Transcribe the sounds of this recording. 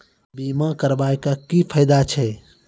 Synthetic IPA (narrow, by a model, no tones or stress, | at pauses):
bimakəɾbaekakipʰəɪd̪at͡ʃʰɛ